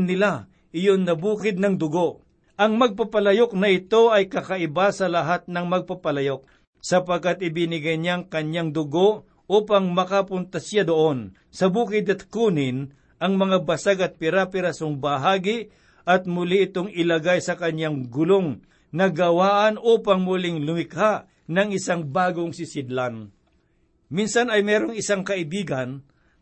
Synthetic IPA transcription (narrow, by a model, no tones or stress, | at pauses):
nɪla | ʔɪjonnɐbuːkɪd̪̚nɐŋd̪ʊɡoʔ | ʔɐŋmɐɡ̚papɐlɐjok̚nɐɪt̪o̞ʔɐjkɐkɐʔɪbasɐlɐɦat̪̚nɐŋmɐɡ̚papɐlɐjok̚ | sɐpɐɡ̚kat̪̚ɪbɪnɪɡajɲaŋkɐɲjaŋd̪ʊɡo̞ʔ | uːpɐŋmɐkapʊnt̪ɐsjad̪oʔon | sɐbuːkɪd̪ɐt̪̚kuːnɪn | ʔɐŋmɐŋabɐsaɡɐt̪̚pɪɾapɪɾasoŋbɐɦaːɡɪ | ʔɐt̪̚mʊliʔɪt̪oŋɪlɐɡajsɐkɐɲaŋɡʊloŋ | nɐɡɐwaːʔɐnʔuːpaŋmʊlɪŋlʊmɪkhaʔ | nɐŋɪsaŋbaːɡoŋsɪsɪd̪lan | minsɐnɐjmɛːɾoŋɪsaŋkɐʔɪbiːɡɐn